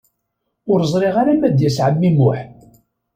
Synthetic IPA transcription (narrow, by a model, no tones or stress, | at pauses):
ʊɾzˤɾˤeʁaɾamæd̪jæsʕəmːimʊħ